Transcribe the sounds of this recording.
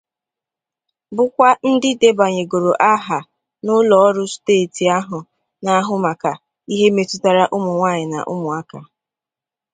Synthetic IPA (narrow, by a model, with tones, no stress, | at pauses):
bʊ˦kʷa˦n̩˦dɪ˦de˦ba˨ɲe˨ɡo˨ɾo˨ʔa˦ɦa˨ | nʊ˦lɔ˨ɔ˦ɾʊ˦steː˦˨ti˨a˦ɦʊ˨ | na˦ɦʊ˦ma˨ka˨ | i˦ɦe˦me˨tʊ˦ta˨ɾa˦ʔʊ˦mʊ˨ŋʷaː˦˨ɲɪ˨na̰˨ʔʊ̰˦mʊ˨a˦ka˨